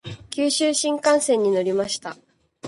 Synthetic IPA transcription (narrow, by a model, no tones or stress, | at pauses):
kʲɨːɕɨːɕĩŋkãɰ̃sẽ̞ɲ̟ːino̞ɾʲimaɕi̥t̪a